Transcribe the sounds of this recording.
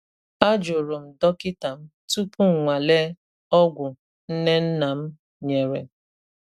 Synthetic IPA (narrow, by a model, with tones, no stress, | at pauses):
a˦d͡ʒʊ˨ɾo˨m̩˨dɔ˦kɪ˦ta˨m̩˦tu˦pu˦ŋ̩˨ŋʷa˨le˦ | ɔ˦ɡʷʊ˨ | n̩˦ne˦n̩˦na˨m̩˦ | ɲe˨ɾe˨